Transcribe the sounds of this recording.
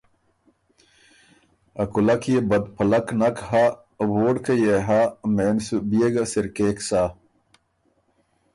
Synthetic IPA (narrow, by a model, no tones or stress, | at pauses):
ɐkulɐkjebɐd̪pʰɐlɐknɐkɦa | woːɖkɐjeɦameːnsubijeɡɐsiɾkeːksa